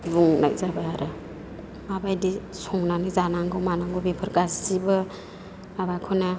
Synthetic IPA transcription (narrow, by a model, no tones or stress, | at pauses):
buŋna̰jzabaaɾɯ | mabajdisɔŋnanizanaŋɡɯwmanaŋɡobepʰɯɾɡassibɯ | abajkʰɔna